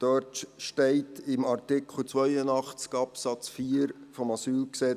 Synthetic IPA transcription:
d̥øtʃtɛɪtʰɪmɑrtɪkχl̩t͡sʋœjənɑχt͡skɑpsɑt͡sfiːəɾfɔmɑsyːlksɛ

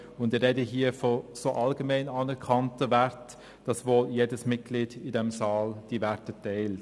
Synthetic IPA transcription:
ʊndɪɾɛdəɦiːəfosoːʔɑlɡəmɛɪnɑːnɛɾkʰɑntəvɛɾt | d̥ɑsvoːljeːdəsmɪt̚ɡ̥liːdɪdɛmsɑːld̥ivɛtətɛɪl

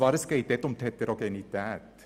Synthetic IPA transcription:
ɑːɾəskeɪt̪ɛt̪ɔmt̪ʰɛt̪ːəɾɔkɛnit̪æːt̪

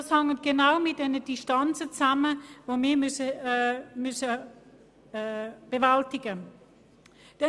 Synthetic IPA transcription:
ɑshɑŋənɡ̥ənaʊmɪt̚danədɪʃtɑnt͡sət͡saməvoːmiːɐmʏsə | mʏsə | b̥əvaltɪɡə | d̥ɛ

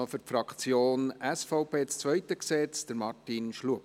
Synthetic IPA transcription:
fyɾtfɾɑkt͡sjoːnæsfɔʊpeːt͡st͡sʋœɪtəksɛt͡sd̥əɾmɑrtinʃluəp

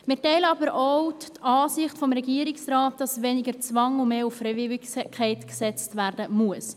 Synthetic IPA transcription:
mɪːɾtɛɪləɑbəɾʔowt | ɑːsɪχtfɔmɾɛɡiəɾɪksrɑːt̚d̥ɑsʋɛnɪɡəɾt͡svɑŋʊmeːufːɾɛvɪɪkkχɛɪtksɛt͡stværdəmuəs

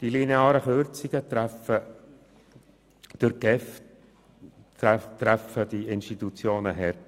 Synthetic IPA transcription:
d̥ilineɑːɾəχøːɾt͡siɡət̪ɾɛfə | d̪̥əɾɡ̥ɛf | t̪ɾæfəd̥iɪnʃtit̪ut͡sjoːnəɦɛɾ

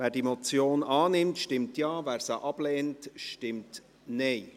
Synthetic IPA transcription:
væːɾdimɔt͡sjoːnɑːnɪmtʃtɪmtjɑːvæːɾsəʔɑb̥lɛːntʃtɪmt | nɛɪ

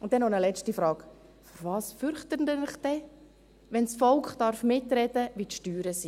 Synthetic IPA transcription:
ʊntdɛnːɔnəlɛt͡ʃtifɾɑːk | fɔɾvɑːsfʏɾχtəndənɪχd̥ɛ | ʋɛnsfɔlkχd̥ɑɾfmɪtɾɛd̥əʋit̪ʃtyːɾəsi

